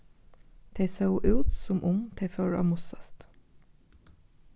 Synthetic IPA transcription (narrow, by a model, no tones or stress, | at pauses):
d̪̥ʰeɪsəʊʔʉːt̪sɔmʔʊŋt̪ʰeɪføːɹɑ̰ːmʊsɑst̪